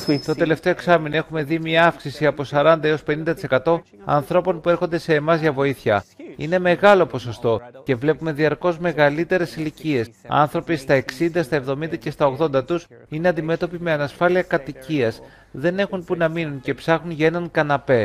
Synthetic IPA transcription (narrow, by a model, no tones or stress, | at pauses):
t̪o̞t̪e̞le̞ft̪e̞o̞e̞ksɐmino̞e̞xume̞ðimiɐɐfksisiɐpo̞sɐɾɐnd̪ɐe̞o̞spe̞nind̪ɐt̪ise̞kɐt̪o̞ | ɐ̰nθɾo̞po̞npue̞ɾxond̪e̞se̞ːmɐzʝɐvo̞iθçɐ̰ḭne̞me̞ɣɐlo̞po̞so̞st̪o̞ce̞vle̞pume̞ðiɐɾko̞zme̞ɣɐlit̪e̞ɾe̞silicie̞sɐ̰nθɾo̞pist̪ɐe̞ksind̪ɐst̪ɐe̞vðo̞mind̪ɐce̞st̪ɐoɣðo̞nd̪ɐt̪us | ine̞ɐnd̪ime̞t̪o̞pime̞ɐnɐsfɐliɐkɐt̪iciɐs | ðe̞ne̞xunpunɐminunce̞psɐxunʝɐe̞nɐŋkɐnɐpe̞